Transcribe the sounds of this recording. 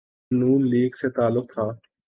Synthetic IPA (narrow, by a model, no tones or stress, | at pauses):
nuːnliːɡseːt̪aːlːʊq̚t̪ʰaː